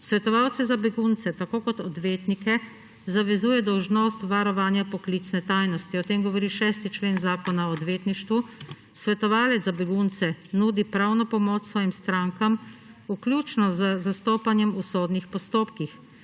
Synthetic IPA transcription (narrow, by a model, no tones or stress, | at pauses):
sʋɛt̪ɔʋawt̪sɛzabɛɡunt̪sɛt̪akoːkɔt̪ɔd̪ʋeːt̪nikɛ | zaʋɛzuːjɛd̪ɔwʒnoːst̪ʋaɾɔʋaːnjapɔklit̪snɛt̪aːjnɔst̪iɔt̪eːmɡɔʋɔɾiːʃɛːst̪it͡ʃleːnzaːkɔnaɔːd̪ʋeːt̪niʃt̪ʋu | sʋɛt̪ɔʋaːlɛt̪abɛɡunt̪sɛnuːd̪ipɾawnɔpɔmoːt͡ʃsʋɔːjimst̪ɾaːŋkamuklʲjuːt͡ʃnɔzəzast̪oːpanjɛmusoːd̪nixpɔst̪oːpkix